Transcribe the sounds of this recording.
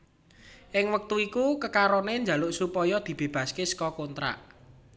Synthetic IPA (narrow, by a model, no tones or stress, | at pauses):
ʔɪŋwək̚t̪uikukəkaɾɔnend͡ʒa̤lʊʔsupɔjɔd̪̥i̤b̥e̤b̥ä̤skɪskɔkont̪ɾa̰ʔ